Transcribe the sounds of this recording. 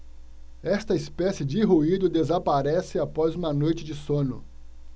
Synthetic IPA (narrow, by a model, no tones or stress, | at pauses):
ɛst̪ɐispɛsɪd͡ʒɪɦuid̪ʊd̪ezapaɾɛsɪapɔzũmɐnojt͡ʃɪd͡ʒɪsõnʊ̰